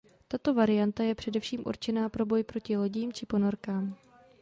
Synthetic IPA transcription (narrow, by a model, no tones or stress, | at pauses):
t̪at̪o̞vaɾɪjant̪ajɛpr̝̥ɛdɛfʃiːmʔṵɾt͡ʃɛnaːpɾo̞bo̞jpɾo̞cɪlo̞ɟiːmt͡ʃɪpo̞no̞ɾkaːm